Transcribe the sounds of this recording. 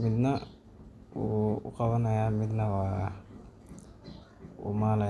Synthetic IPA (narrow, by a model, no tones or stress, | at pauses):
mɪd̪nɐ | uːqɑβɐnɐjaːmɪd̪nɐwaː | ṵːmaːlɐ